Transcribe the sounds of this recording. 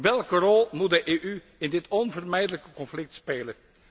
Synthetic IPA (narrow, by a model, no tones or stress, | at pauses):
ʋɛlˠkərɔlˠmut̚dəʔeːʔy | ɪndɪtʰɔnvərmɛjdələkəkɔnflɪk̚tspeːlən